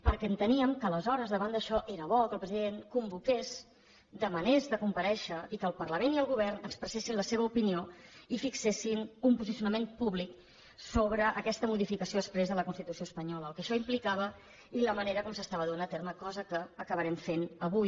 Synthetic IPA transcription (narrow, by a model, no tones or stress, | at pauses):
pəɾkɛənt̪əniəmkəːləzɔɾəzðəβand̪əʃɔʔeɾəβɔkəlˠpɾəziðeŋkumbukez | d̪əmənezðəkumpəɾɛʃəikəːlˠpərləmeniəlˠɣuβ̞ɛrnəkspɾəsesinləseβəupinioifiksesinumpuzisiunəmempuβlik | soβɾəʔəkɛst̪əmuðifikəsijoðəspɾezðələkunst̪it̪usioəspəɲɔləːlˠkəʃɔimplikaβ̞ə | iləməneɾəkɔmsəst̪aβəðuanət̪eɾməkɔzəkəːkəβəɾɛmfenəβuj